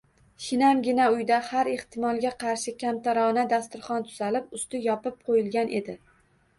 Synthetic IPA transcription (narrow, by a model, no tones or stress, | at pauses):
ʃɪnamɡʲɪnaʊjd̪ahaɾeht̪ʰɪmɒlˠɡʲaqʰɑɾʃɪkʲʰamt̪ʰaɾɒnad̪ast̪ʊɾχɒnt̪ʰʊ̥z̥alɪp̚ʊst̪ɪjɒpɪp̚qʰojɪlɡʲanʔe̞̰d̪ɪ